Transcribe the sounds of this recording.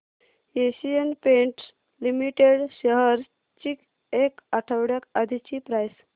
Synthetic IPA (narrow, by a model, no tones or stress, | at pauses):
eɕijənpẽɳʈ | limiʈeɽɕəɦəɾ | t͡ɕik | ekaʈʰəwɽjakad̪ʱit͡ɕipɾajs